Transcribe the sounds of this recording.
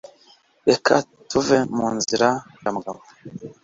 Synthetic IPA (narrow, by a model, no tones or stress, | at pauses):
ɗekʰa | tuvemuːnziɾa | ɡamɡama